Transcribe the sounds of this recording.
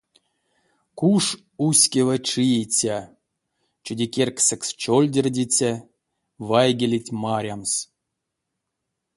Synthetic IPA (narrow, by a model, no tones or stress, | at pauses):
kuʂ | usʲkʲevəʈ͡ʂijit͡sʲa | t͡ʃudʲikʲerksɛkst͡ʃolʲdʲerʲdʲit͡sʲa | vajɡʲelʲitʲmaɾʲams